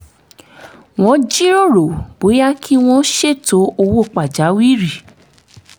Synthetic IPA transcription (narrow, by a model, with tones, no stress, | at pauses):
w̃ɔ̃˦d͡ʒi˦ɾo˦˨ɾo˨bo˨˦ja˦kʰi˦w̃ɔ̃˦ʃe˦˨to˨˦o˧wo˦˨k͡pa˨d͡ʒa˨˦wi˦ɾi˦˨